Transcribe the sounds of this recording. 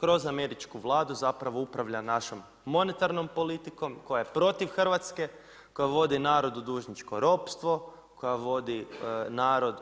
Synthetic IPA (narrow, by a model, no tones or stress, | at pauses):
kɾo̞zame̞ɾit͡ʃkuʋlˠaːd̪uzapɾaʋo̞upɾaʋʎanaʃo̞mː | o̞ne̞t̪aɾno̞mpo̞lit̪iko̞mko̞jajepɾo̞t̪iʋxr̩ʋat̪ske | ko̞jaʋo̞d̪inaːɾo̞d̪ud̪uːʒɲit͡ʃko̞ɾo̞pst̪ʋo̞ | kojaʋo̞d̪inaːɾo̞d̪